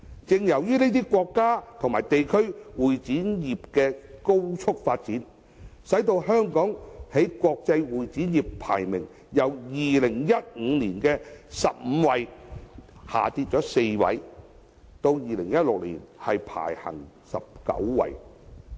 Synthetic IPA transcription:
t͡sɪ˨˧ŋjɐ˨˩wjyː˥ne˥t̪iː˥kʷɔː˧kːaː˥t̪ʰʊ˨˩ŋmaː˨˩jt̪e˨jkʰɵ˥ɥwuː˨jt͡siː˨˥njiː˨p̚kɛː˧ko˥wt͡sʰʊ˥k̚faː˧t̚t͡siː˨˥n | sɐ˨˥jt̪o˧wɦœː˥ŋkɔː˨˥ŋhe˨˥jkʷɔː˧k̚t͡sɐ˧jwuː˨jt͡siː˨˥njiː˨pʰa̰ː˨˩jmɪ˨˩ŋ | jɐ˨˧wjiː˨lɪ˨˩ŋjɐ˥t̚ŋ̩ː˨˧liː˨˩nkɛː˧sɐ˨p̚m̩ː˨˧wɐ˨˧j | ha̰ː˨˩t̪iː˧t̚t͡ʃɔː˨˥se˧jwɐ̰˨˧˥j | t̪o˧wjiː˨˩lɪ˨˩ŋjɐ˥t̚lʊ˨k̚lḭː˨˩nhɐ˨jpʰa̰ː˨˩jhɐ̰˨˩ŋ | sɐ̰˨p̚kɐ̰˨˥wwɐ̰˧j

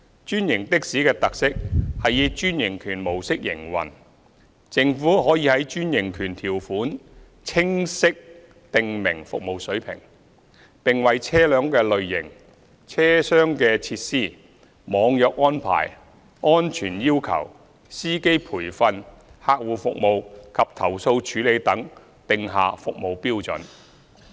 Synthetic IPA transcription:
t͡ʃyː˥njɪ˨˩ŋt̪ɪ˥k̚siː˨˥kɛː˧t̪ɐ˨k̚sɪ˥k̚hɐ˨jjiː˧t͡ʃyː˥njɪ˨˩ŋkʰyː˨˩nmo˨˩wsɪ˥k̚jɪ̰˨˩ŋwɐ̰˨˩n | t͡sɪ˨ŋfuː˨˥ɦɔː˨˥jiː˧hɐ˨˥jt͡ʃyː˥njɪ˨˩ŋkʰyː˨˩nt̪ʰiː˨˩wfuː˨˥n | t͡sʰɪ˥ŋsɪ˥k̚ | t̪ɪ˨ŋmɪ˨˩ŋfʊ̰˨k̚mo˨wsɵ˨˥ɥpʰɪ̰˨˩ŋ | pɪ˨ŋwɐ˨jt͡sʰɛː˥lœː˨˧ŋkɛː˧lɵ˨ɥjɪ̰˨˩ŋ | t͡sʰɛː˥sœː˥ŋkɛː˧t͡sʰiː˧t̚siː˥˩ | mɔː˨˧ŋjœː˨k̚ɔː˥npʰa̰ː˨˩j | ʔɔː˥nt͡ʃʰyː˨˩njiː˥wkʰɐ̰˨˩w | siː˥ke˥jpʰuː˨˩jfɐ˧nhaː˧k̚wuː˨fʊ˨k̚mo˨wkʰɐ˨p̚t̪ʰɐ˨˩wso˧wt͡ʃʰyː˨˥le˨˧jt̪ɐ˨˥ŋ | t̪ɪ˨ŋɦa̰ː˨fʊ˨k̚mo˨˧wpiː˥wt͡sɵ̰˨˥n

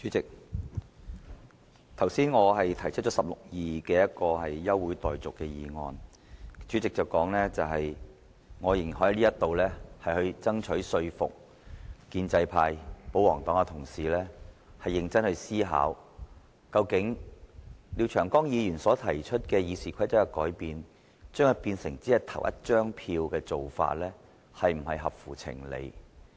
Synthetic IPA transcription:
yː˨˥t͡sɪ˨k̚ | t̪ʰɐ˨˩wsiː˥nŋɔː˨˧ɦɐ˨jt̪ʰɐ˨˩jt͡ʃʰɵ˥t̚t͡ʃɔː˨˥sɐ˨p̚lʊ˨k̚jiː˨kɛː˧jɐ˥t̚kɔː˧hɐ˨jːɐ˥wːuː˨˥jt̪ɔː˨jt͡sʊ˨kːɛː˧jiː˨˧ŋɔ̰ː˧n | t͡ʃyː˨˥t͡sɪ˨k̚t͡sɐ˨˩wkɔː˨˥ŋlɛː˥t͡sɐ˨wɦɐ˨j | ŋɔː˨˧jɪ˨˩ŋ˨hɔː˨˥˧liː˥jɐ˥t̪ːo˨wlɛː˥hɐ˨jhɵ˧ɥt͡sɐ˥ŋt͡ʃʰɵ˨˥sɵ˧ɥfʊ̰˨k̚ | kiː˧nt͡sɐ˧jpʰaː˧jpo˨˥wɔː˨˩ŋt̪ɔː˨˥ŋɐ˧t̪ʰʊ˨˩ŋsiː˨lɛː˥hɐ˨jːɪ˧ŋt͡sɐ˥nhɵ˧ɥsiː˥ɦa̰ː˨˥w | kɐ˧wkɪ˨˥ŋ | liː˨˧wt͡ʃʰœː˨˩ŋkɔː˥ŋjiː˨˧jyː˨˩nsɔː˨˥t̪ʰɐ˨˩jt͡ʃʰɵ˥t̚kɛː˧jiː˨˧siː˨kʰɐ˥jt͡sɐ˥wɐ˧kɔː˨˥jpiː˨n | t͡ʃœː˥ŋhɐ˨˧˩piː˧nsɪ˨˩ŋt͡siː˥jɐ˥t̪ʰɐ˨˩wjʔɐ̰˥t̚t͡ʃœː˥ŋpʰiː˧wkɛː˧t͡so˨wfa̰ː˧t̚lɛː˥ | hɐ˨jm̩˨˩hɐ˨jɦɐ˨p̚fuː˨˩t͡sʰɪ̰˨˩ŋlḛ˨˧j

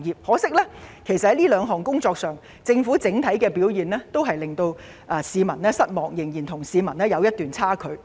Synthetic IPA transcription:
ŋjiː˨p̚hɔː˨˥sɪ˥k̚lɛː˥kʰe˨˩jsɐt̚hɐ˨˥jliː˥lœː˨˧ŋɦɔː˨˩ŋkʊ˥ŋt͡sɔː˧k̚sœː˨˩ŋ | t͡sɪ˧ŋfuː˨˥t͡sɪ˨˥ŋt̪ʰɐ˨˥jkɛː˧piː˨˥wjiː˨˩nlɛː˥t̪o˥wɦɐ˨jlɪ˨ŋt̪o˧w | ʔɐː˨˩siː˨˧mɐ˨˩nlɛː˥sɐ˥t̚mɔː˨ŋjɪ˨˩ŋjiː˨˩nt̪ʰʊ˨˩ŋsiː˨˧mɐ˨˩nɛː˥jɐ˨˧wjɐ˥t̪̚yː˨nt͡sʰaː˥kʰɵ˨˧˥ɥ

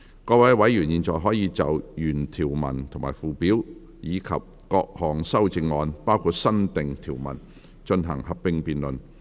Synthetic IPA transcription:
kɔː˧wɐ˨˥jwɐ˨˥jːyː˨˩njiː˨˧nt͡sɔː˨jɦɔː˨˥jiː˨˧t͡sɐ˨wjyː˨˩nt̪ʰiː˨˩wmɐ̰˨˩nt̪ʰŋma̰ː˨˩jfuː˨˩pi˨˥w | jiː˨˧kʰɐ̰˨p̚kɔː˧k̚hɔː˨˩ŋsɐ˥wt͡sɪ˧ŋːɔː˧npaː˥wkʰuː˨˧t̚sɐ˥nt̪ɪ˨ŋt̪ʰiː˨˩wmɐ̰˨˩n | t͡ʃɵ˧nɦɐ̰˨˩ŋhɐ˨p̚pɪ˥ŋpiː˨nlɵ˨˩n

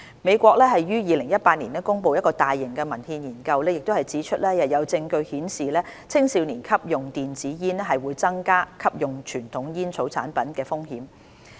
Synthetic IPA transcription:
me˨˧jkʷɔː˧k̚lɛː˥ɦɐ˨jɥyː˥jiː˨˧lɪ˨˩ŋjɐ˥t̚paː˧t̚niː˨˩nɛː˥kʊ˥ŋpo˧wjɐ˥t̚kɔː˧t̪aː˨jːɪ˨˩ŋkɛː˧mɐ˨˩nhiː˧njiː˨˩nkɐ˧wlɛː˥jɪ˨k̚t̪o˥hɐ˨jt͡siː˨˥t͡ʃʰɵ˥t̚lɛ˥jɐ˨t̚jɐ˨˧wt͡sɪ˧ŋkɵ˧ɥhiː˨˥nsiː˨lɛː˥t͡sʰɪ˥ŋsi˨˧wniː˨˩nkʰɐ˥p̚jʊ˨ŋt̪iː˨˩nt͡siː˨˥jiː˥nɛ˥ɦɐ˨jwuː˨˧˥jt͡sɐ˥ŋkaː˥kʰɐ˥p̚jʊ˨ŋt͡ʃʰyː˨˩nt̪ʰʊ˨˥ŋjiː˥nt͡sʰo˨˥wt͡sʰa̰ː˨˥npɐ˨˥nkɛː˧fʊ˥ŋhi˨˥m

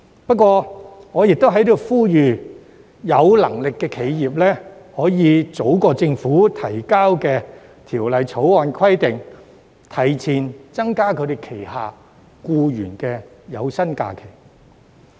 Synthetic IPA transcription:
pɐ˥t̚kːwɔː˧ŋɔː˨˧jɪ˨k̚t̪o˥wɦɐ˨˥jt̪o˨˧wfuː˥jyː˨ | jɐ˨˧wlɐ̰˨˩ŋlɪ˨kːɛː˧kʰe˨˧jjiː˨p̚lɛː˥hɔː˨˥jiː˨˧t͡so˨˥wkɔː˧t͡sɪ˧ŋfuː˨˥t̪ʰɐ˨˩jkaː˥wkɛː˧ | t̪ʰiː˨˩wlɐ˨˧jt͡sʰo˨˥waː˨˧nkʰɐ˥jt̪ɪ˨ŋ | t̪ʰɐ˨˩jt͡sʰiː˨˩nt͡sɐ˥ŋkaː˥kʰɵ˨˧t̪e˨jkʰe˨˩jhaː˨˩ | kuː˧jyː˨˩nkɛː˧jɐ˨˧wsɐ˥nka̰ː˧kʰe˨˩j

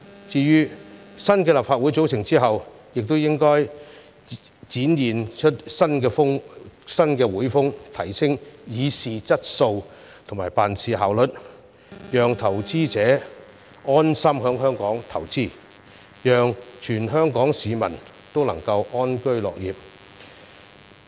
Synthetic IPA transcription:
t͡siː˧jyː˥sɐ˥nkɛː˧la˨p̚faː˧t̚wuː˨˥jt͡so˨˥wsʰɪ˨˩ŋt͡siː˥ɦɐ˨wjɪ˨k̚t̪o˥wjɪ˥ŋkɔː˥j | t͡siː˨˥njiː˨˩nt͡ʃʰɵ˥t̚sɐ˥nkɛː˧fʊ˥ŋsɐ˥nkɛː˧wuː˨˥jfʊ˥ŋt̪ʰɐ˨˩jsɪ˥ŋjiː˨˧siː˨t͡sɐ˥t̚so˧w | t̪ʰo˨˩ŋmaː˨˩jpaː˨nsiː˨ɦaː˨wlɵ˨t̚ | jœː˨ŋt̪ʰɐ˨˩wt͡siː˥t͡sɛː˨˥ | ɔː˥nsɐ˥mɦœː˨˥ŋɦœː˥ŋkɔː˨˥ŋt̪ʰɐ˨˩wt͡siː˥˩ | jœː˨ŋt͡ʃʰyː˨˩nɦœː˥ŋkɔː˨˥ŋsiː˨˧mɐ˨˩n | t̪o˥wlɐ˨˩ŋkɐ˧wʔɔː˥nkɵ˥ɥlɔ̰ː˨k̚jiː˨p̚

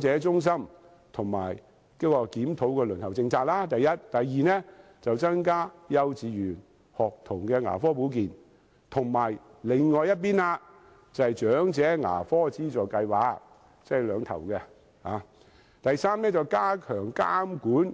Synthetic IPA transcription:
t͡sɛː˨˥t͡sʊ˥ŋs̬ɐ˥m | t̪ʰʊ˨˩ŋma̰ː˨˩j | kɔː˥kɔː˧kiː˨˥mt̪ʰo˨˥wkɛː˧lɵ˨˩nt̪ʰɐ˨˩wt͡sɪ˧ŋt͡sʰaː˧k̚laː˥t̪ɐ˨jːɐ˥t̚t̪ɐ˨jːiː˨nɛː˥ | t͡sɐ˨wt͡sɐ˥ŋkaː˥jɐ˧wt͡siː˨˧jyː˨˩n | hɔː˨k̚t̪ʰʊ˨˩ŋkɛː˧ŋa̰ː˨˩fɔː˥pu˨˥k̬iː˨n | t̪ʰʊ˨˩ŋmaː˨˩jlɪ˨ŋːɔː˨˧jɐ˥t̚p̬iː˥naː˧ | t͡sɐ˨hɐ˨jt͡ʃœː˨˥ŋt͡sɛː˨˥ŋa̰ː˨˩fɔː˥t͡siː˥t͡sɔː˨˩jkɐ˧jwaː˨˧k̚ | t͡sɛ˥˨lœː˨˧ŋt̪ʰɐ̰˨˩wkɛ˧ | ha̰ː˨˧ | t̪ɐ˨jsaː˥mnɛː˥t͡sɐ˨wkaː˥kʰœː˨˩ŋka̰ː˥mkuː˨˥n

